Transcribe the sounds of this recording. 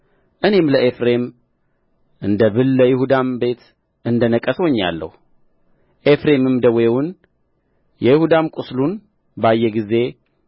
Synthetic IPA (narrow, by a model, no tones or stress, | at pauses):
ʔɨne̞mləʔefɾe̞m | ʔɨnd̪əβɨlːəjɪhud̪ambe̞t̪ | ʔɨnd̪ənəkʼːəswoɲːa̰lːə̰hu | ʔe̞fɾe̞mɨmd̪əwewʊn | jɛjɪhud̪amkʼuslun | bajːɛɡize̞